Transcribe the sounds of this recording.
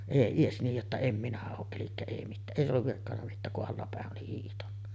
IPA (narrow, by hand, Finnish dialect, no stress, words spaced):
eˑi ies niːj jotːɑ em minæ oːʔ ʔelikːæ ei mitːæː ʔeˑi olːuʋ ʋirkːɑnːɑ mitːæːk kuʔ ʔɑlːɑpæˑeʔ ʔoli hiːhtɑnːɑ